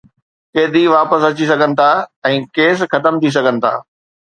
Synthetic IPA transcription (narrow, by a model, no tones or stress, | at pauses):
keːd̪ʱiʋaːpəsɐt͡ɕis̬ɐɡʱənɪ̆t̪ʰaːɛ̃ːkeːsxɐt̪əmt̪ʰis̬ɐɡʱənɪ̆t̪ʰa̰ː